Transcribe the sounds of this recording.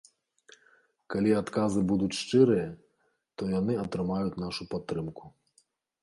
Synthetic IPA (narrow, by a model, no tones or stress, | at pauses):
kalʲiat̪kazɨbud̪ut͡sʲʂt͡ʂɨɾɨjɐ | t̪ɔjanɨɐt̪ɾɨmajut͡sʲnaʂupat̪ːɾɨmku̥